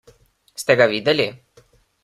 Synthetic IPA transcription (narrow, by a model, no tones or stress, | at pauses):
st̪ɛɡavid̪ɛlʲi